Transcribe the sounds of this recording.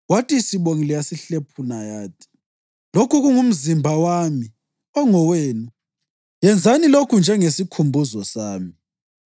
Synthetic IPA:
watʼisiɓoŋilijasiɬepʰunajaːt̚ʰʼi̥ | lokuɣuŋum̩zimbʱawami | ɔŋɔweːnu | jɛnd͡zʱanilokʰund͡ʒʱɛŋesikʰumbʱuzɔsaːmi

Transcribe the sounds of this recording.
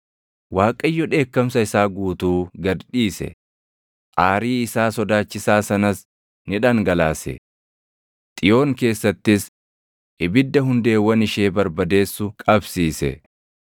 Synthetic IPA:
waːkʼɐjːɔᶑe̞ːkːɐmsɐɪsaːɡuːt̪uːɡɐd̪ᶑiːsɛ̰ | ʔaːɾiːɪsaːsɔd̪aːt͡ʃːɪsaːsɐnɐs | nɪᶑɐŋɡɐlaːsɛ̰ | t̪ʼɪjo̞ːŋke̞ːsːɐt̪ːɪs | ʔɪbɪd̪ːɐɦʊnd̪e̞ːwːɐnɪʃe̞ːbɐɾbɐd̪e̞ːsːʊkʼɐbsiːsɛ̰

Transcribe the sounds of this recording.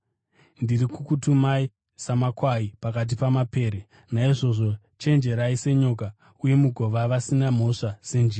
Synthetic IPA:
ndirikukutumai | samakwaipakat̬ipamape̞ːɾe | naiʐo̞ʐo̞ | t͡ʃe̞nd͡ʒe̞ɾaise̞ɲoːka | uje̞muɡʱo̞ʋaʋasinam̤o̞ʂase̞nd͡ʒiːra

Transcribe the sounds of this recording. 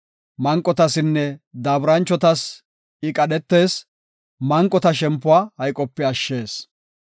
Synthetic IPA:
mɐŋkʼːɔt̪ɐsɪnːɛd̪ɐːbɾɐnt͡ʃːɔt̪ɐs | ɪkʼɐɗɛt̪ːe̞ːs | mɐŋkʼɔt̪ɐʃɛmpːʊaːhɐjkʼːɔpːɛɐʃːe̞ːs

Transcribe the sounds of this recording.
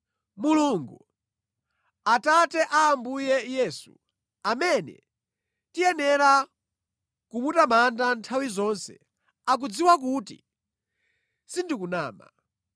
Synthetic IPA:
muluŋɡu | atatɛʔaːmbujɛjɛːsṵ | amɛnɛ̰ | tijɛnɛɾa | kumutamandantʰawizɔnsɛ̰ | ak̬ud͡ziwak̬utḭ | sindik̬unaːma̰

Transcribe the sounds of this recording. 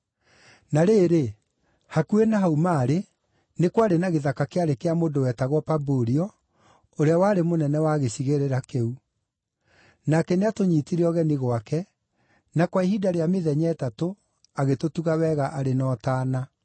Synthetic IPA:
naɾeːɾe | hakuenaɦaumaːɾe | nekwaɾenaɣeðakakeaɾekeamoːndowɛːtaɣwɔpaboɾiɔ | oɾeawaːɾemonɛnɛwaɣesiɣeɾeɾakeu | nakɛneatoɲiːtiɾeɔɣɛniɣwakɛ | nakwaiɦidaɾeameðɛɲɛːtato | aɣetotuɣawɛːɣaʔaɾenɔːtaːna

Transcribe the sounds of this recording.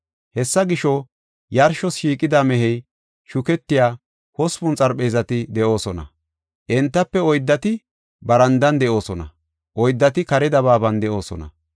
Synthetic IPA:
hɛsːɐɡɪʃɔ | jɐɾʃɔsʃiːkʼɪd̪aːmɛɦɛj | ʃʊkɛt̪ːɪjaː | hɔspʊnt͡sʼɐɾpe̞ːzɐt̪ɪd̪ɛʔo̞ːsɔnɐ̰ | ʔɛnt̪ːɐpːɛɔjd̪ːɐt̪ɪ | bɐɾɐnd̪ɐnd̪ɛʔo̞ːsɔnɐ̰ | ʔɔjd̪ːɐt̪ɪkɐɾɛd̪ɐβaːbɐnd̪ɛʔo̞ːsɔ̰nɐ̰

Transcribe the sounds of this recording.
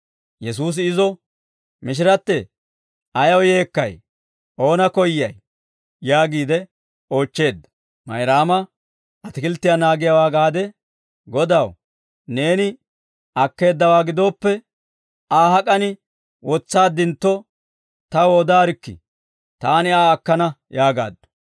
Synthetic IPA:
jɛs̬uːs̬ɪɪzɔ | mɪʃ̬ɪɾɐt̪ːɛ | ʔɐjɐwje̞ːkːɐ̰j | ʔo̞ːnɐkɔjːɐj | jaːɡiːd̪ɛ | o̞ːt͡ʃːe̞ːd̪ːɐ̥ | mɐjɾaːmɐ | ʔɐt̪ɪkɪlt̪ːɪjanaːɡɪjawaːɡaːd̪ɛ | ɡɔd̪ɐw | ne̞ːnɪ | ɐkːe̞ːd̪ːɐwaːɡɪd̪o̞ːpːɛ | aːɦɐkʼɐnɪ | wɔt͡sːaːd̪ːɪnt̪ːɔ | t̪ɐwoːd̪aːɾɪkːɪ̰ | t̪aːnɪaːkːɐnɐjaːɡa̰ːd̪ːɔ̥

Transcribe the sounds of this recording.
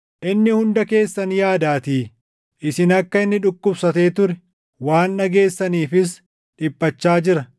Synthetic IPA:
ʔɪnːɪhʊnd̪ɐke̞ːsːɐnjaːd̪aːt̪iː | ʔɪsɪnɐkːɐɪnːɪᶑʊkːʊbsɐt̪e̞ːt̪ʊɾɛ | waːnːɐɡe̞ːsːɐniːfɪs̬ | ᶑɪpʼːɐt͡ʃːaːd͡ʒɪɾɐ

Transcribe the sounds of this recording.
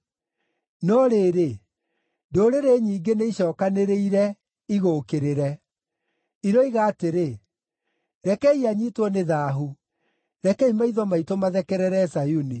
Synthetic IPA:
nɔɾeːɾe | doːɾeɾeɲiːɡeneiɕɔːkaneɾeiɾɛ | iɣoːkeɾeɾɛ | iɾɔiɣaːteɾe | ɾɛkɛiaɲitwɔneðaːɦu | ɾɛkɛimaiðɔmaitomaðɛkɛɾɛɾɛsajuni

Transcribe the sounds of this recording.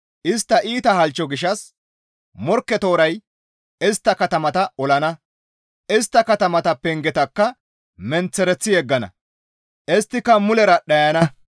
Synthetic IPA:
ʔɪst̪ːɐʔiːt̪ɐhɐlt͡ʃːɔɡɪʃɐs | mɔɾkːɛt̪o̞ːɾɐj | ɪst̪ːɐkɐt̪ɐmɐt̪ɐɔlɐnɐ | ʔɪst̪ːɐkɐt̪ɐmɐt̪ɐpːɛŋɡɛt̪ɐkːɐ | mɛnt͡sːɛɾɛt͡sːɪjɛɡːɐnɐ̰ | ɛst̪ːɪkːɐmʊlɛɾɐɗɐjɐnɐ

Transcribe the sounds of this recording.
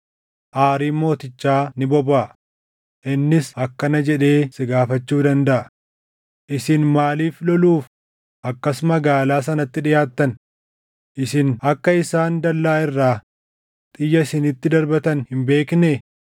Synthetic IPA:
ʔaːɾiːnmo̞ːt̪ɪt͡ʃːaːnɪbɔbaː | ʔɪnːɪsɐkːɐnɐd͡ʒɛᶑe̞ːsɪɡaːfɐt͡ʃːuːd̪ɐnd̪ɐʔɐ | ʔɪsɪnmaːliːflɔluːf | ʔɐkːɐsmɐɡaːlaːs̬ɐnɐt̪ːɪᶑɪjaːt̪ːɐn | ʔɪsɪnɐkːɐɪsaːnd̪ɐlːaːɪrːaː | t̪ʼɪjːɐɪsɪnɪt̪ːɪd̪ɐɾbɐt̪ɐnhɪmbe̞ːknɛ

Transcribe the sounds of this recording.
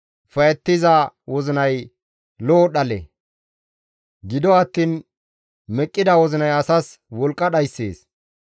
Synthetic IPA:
fɐjɛt̪ːɪzɐwɔzɪnɐj | loːɗɐlɛ̰ | ɡɪd̪ɔɐt̪ːiːn | mɛkʼːɪd̪ɐwɔzɪnɐjɐsɐs | wɔlkʼːɐɗɐjsːḛːs

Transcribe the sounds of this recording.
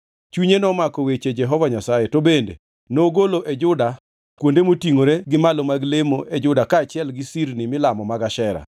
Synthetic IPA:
t͡ʃuɲenɔmakɔwet͡ʃed͡ʒɛɦɔvaɲasajetobendḛ | noɡoloʔed͡ʒʊda | kwondemotiŋoɾeɡɪmalomaɡlemoʔed͡ʒʊdakaːt͡ʃɪɛlɡɪsirnɪmɪlamɔmaɡaʃɛɾa̰

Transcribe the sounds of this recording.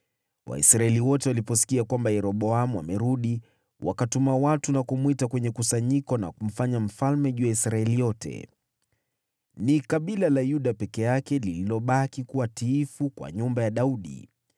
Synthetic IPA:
wʔa̰ḭsɾaɛliwɔtɛwalipɔsi̥kiakwambajɛɾɔɓɔamuwamɛɾuɗi | wa̰katumawatunakumwitakwɛɲɛkusaɲikɔna̰kum̩faɲam̩falmɛʄuːjaisɾaɛlijɔtʰɛ̰ | nikaɓilalajuɗapɛkɛjakɛlililɔɓakikuwatiːfukwa̰ɲumbajaɗauɗḭ

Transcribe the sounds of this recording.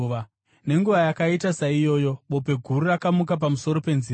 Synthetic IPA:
a | ne̞ŋɡuʋajakaitasaijo̞ːjo̞ɓo̞pe̞ɡʱururakamukap̬amuso̞ɾo̞pe̞nziːr

